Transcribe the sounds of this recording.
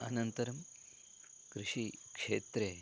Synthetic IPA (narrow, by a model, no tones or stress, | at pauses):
ɐnɐnt̪ɐɾɐm | kɾuʂikʂeːt̪ɾe